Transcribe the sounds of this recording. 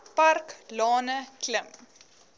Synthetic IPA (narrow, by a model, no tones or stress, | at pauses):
pɐrklɑːnəkləm